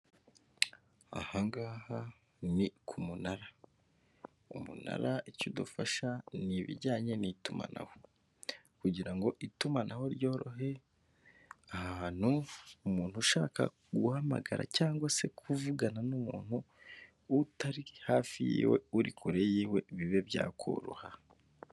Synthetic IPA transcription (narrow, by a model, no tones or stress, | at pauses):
a̰haŋɡaha | nikʰumunaɾa | umṵna̰ɾaicudufaʃaniβḭɾɟaːɲe̞nituma̰na̰ho | kuɟiɾaŋɡo̞ʔitumanʔaho̞ɾjo̞ːɾo̞̰ɦe̞ | ahaːn̥huːmuːn̥huʃaːka̰ | ɡuhama̰ɡaɾa̰caːŋɡwase̞kʰuvuɡananumuːn̥huː | taɾihaːfijḭːwe̞̰uɾikʰuɾejiːwe̞βiβe̞bja̰ːkʰo̰ɾṵha